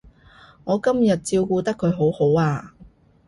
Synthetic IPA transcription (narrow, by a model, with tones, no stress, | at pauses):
ŋɔː˨˧kɐ˥mjɐ˨t̚t͡siː˧wkuː˧t̪ɐ˥kʰːɵ˨˧ɥɦo˨˥who˨˥waː˧